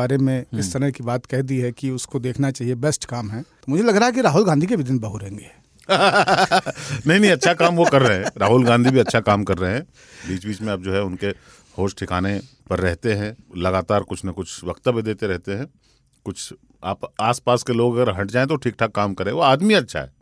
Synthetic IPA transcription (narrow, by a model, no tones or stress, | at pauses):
aːɾemẽɪst̪ɐɾəɦkibaːt̪kɛɦd̪iɦɛkiʊskod̪eːkʰnat͡ʃaːɦiebɛsʈkaːmɦɛ̃t̪omʊd͡ʒʱelɐɡɾaaɛk̬iɾaːɦʊlɡãːnd̪ʱik̬ebʱɪd̪ɪnbɐɦuɦẽːŋɡeː | nɐɦĩnɐɦĩɐtːʃʰakaːmʋokɐɾːɐɦɛ̃ɾaːɦʊlɡãːnd̪ʱibʱiɐtːʃʰakaːmkɐɾːɐɦɦɛ̃ː | biːt͡ʃbiːt͡ʃmẽɐb̚d͡ʒoːɦɛʊnke | hoːsʈʰɪkaːne | pɐɾːɛɦt̪eɦɛ̃lɐɡaːt̪aːɾkʊt͡ʃʰnɐkʊt͡ʃʰʋɐkt̪əbid̪eːt̪eɾɛɦt̪eɦɛ̃ː | kʊt͡ʃʰ | aːpaːspaːskeloːɡɐɡəɾɦɐʈ̚d͡ʒaːẽt̪oʈʰiːk̚ʈʰakaːmkɐɾẽʋoaːd̪miɐtːʃʰa̰ɦɛ̰ː